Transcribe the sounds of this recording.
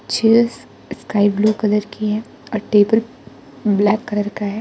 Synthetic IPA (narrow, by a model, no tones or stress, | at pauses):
t͡ʃʰeːs | skaːɪbluːkɐd̪əɾkʰiɦɛ | ɔːɾʈeːbəl | blɛːkːɐɾəɾkaɦɛ